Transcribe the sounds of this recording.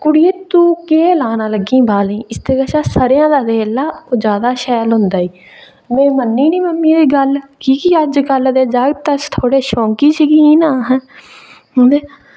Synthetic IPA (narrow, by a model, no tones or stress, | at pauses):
kʊɽieːt̪uːkeːlaːnãːləɡĩːbaːlĩːɪst̪eːkəʃaːsəɾjãːd̪aːd̪eːlːaːoːd͡ʒaːd̪aːʃɛːlɦʊ̃nd̪aːiː | mɛ̃ːmənːiːnĩːməmːiːd̪iːɡəlkiːkiəd͡ʒɡəld̪eːd͡ʒəɡt̪əst̪ʰoːɽeːʃɔ̃ːŋkiːsəɡiiːnaːɦɛ̃ː | ɦʊ̃ːnd̪eː